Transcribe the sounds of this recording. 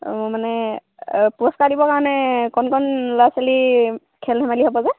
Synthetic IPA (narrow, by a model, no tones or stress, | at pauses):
mʊmanɛ | puɹɔskadibɔkaɹɔnɛkɔnkʰɔnlasali | kʰɛldʱɛmaliɦɔbɔzɛ